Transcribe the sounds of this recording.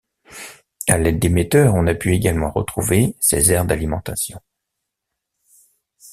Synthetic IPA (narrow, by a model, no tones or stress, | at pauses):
alɛd̪ːemet̪œʁɔ̃napyeɡʲalmɑ̃ʁə̰t̪χuvesḛzɛʁd̪alimɑ̃t̪asjɔ̰̃